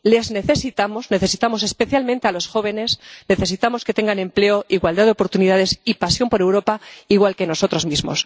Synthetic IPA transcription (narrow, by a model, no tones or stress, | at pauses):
le̞zne̞θe̞sit̪amo̞zne̞θe̞sit̪amo̞s̬e̞spe̞θjalmẽnt̪e̞alo̞sxo̞β̞e̞ne̞sne̞θe̞s̬it̪amo̞ske̞t̪e̞ŋɡanẽ̞mple̞oiɣwald̪aðeo̞po̞ɾt̪uniðaðe̞sipasjo̞mpo̞ɾe̞wɾo̞paiɣwalkeno̞so̞t̪ɾo̞zmizmo̞̰s